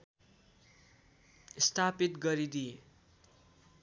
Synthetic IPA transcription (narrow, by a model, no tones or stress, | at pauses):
ist̪ʰapit̪ɡʌɾid̪ije